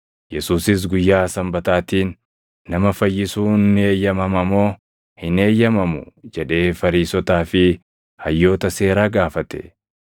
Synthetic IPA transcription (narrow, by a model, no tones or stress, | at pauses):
jɛsuːsɪs̬ɡʊjːaːsɐmbɐt̪aːt̪iːnː | ɐmɐfɐjːɪsuːneːjːɐmɐmɐmoː | hɪne̞ːjɐmɐmʊd͡ʒɛᶑe̞ːfɐɾiːsɔt̪aːfɪ | hɐjːo̞ːt̪ɐse̞ːɾaːɡaːfɐt̪ɛ̰